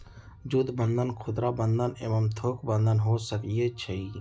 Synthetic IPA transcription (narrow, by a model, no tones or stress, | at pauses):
d͡ʒud̪bə̃nd̪ənkʰʊd̪ɾabə̃nd̪əneməmt̪ʰoːkbə̃nd̪ənɦoːsəkijet͡ʃʰɐi